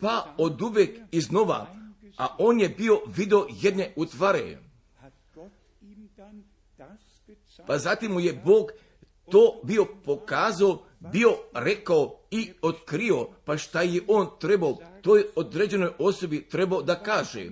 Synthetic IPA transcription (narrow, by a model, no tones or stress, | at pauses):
paod̪uʋekizno̞ʋa̰aʔoːnjebio̞ʋid̪eoje̞d̪ne̞ʔut̪ʋaɾḛ | pazat̪imːujeboːɡ | t̪oːbio̞po̞kaːzao | bio̞ɾe̞kaoiot̪kɾio̞paʃt̪ajeʔoːnt̪ɾebaot̪oːjod̪ɾed͡ʑe̞no̞jo̞so̞bit̪ɾe̞baod̪akaːʒḛ